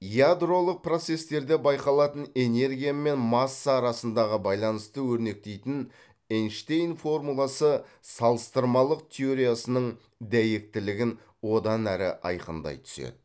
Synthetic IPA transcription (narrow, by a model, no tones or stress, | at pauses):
jad̪ro̞lˠəq̚pro̞t̪se̞st̪e̞ɾd̪e̞bɑjqɑlˠɑt̪əne̞ne̞ɾɡʲijame̞nmɑsːɑːɾɑsənd̪ɑʁəbɑjlˠɑnəst̪əwɵɾne̞k̚t̪e̞jt̪ɪn | enʃt̪ejnfo̞rmulˠɑsəsɑlˠəst̪əɾmɑlˠəq̚t̪ʲʰeo̞ɾʲijasənəɴ | d̪æjek̚t̪ɪlɪɡʲɪn | wo̞d̪ɑnæɾɪ̰ʔɑ̰jqənd̪ɑ̰jt̪ʰʏ̥sḛd̪ɪ